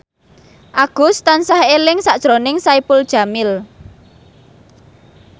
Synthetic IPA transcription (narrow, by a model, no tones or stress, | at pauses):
ʔaɡ̥ʊ̤st̪ansahelɪŋsaʔd̥ʒ̥ɾonɪŋsaipʊld̥ʒ̥a̤mɪl